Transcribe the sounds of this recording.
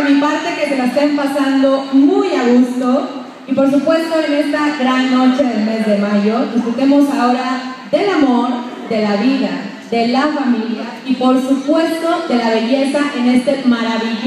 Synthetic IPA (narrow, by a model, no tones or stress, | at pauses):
mipaɾt̪e̞ke̞t̪elaest̪empasand̪o̞mujaɣust̪o̞ | ipo̞ɾs̬upwe̞st̪o̞ene̞st̪aɣɾanːo̞t͡ʃe̞ðe̞lme̞zðe̞maʝo̞d̪isfɾut̪e̞mo̞sao̞ɾaðe̞lamo̞ɾ | ðe̞laβiða | ðe̞lafamilja | ipo̞ɾsupwe̞st̪o̞ðe̞laβe̞ʝe̞saʔe̞ne̞st̪e̞maɾaβiʝ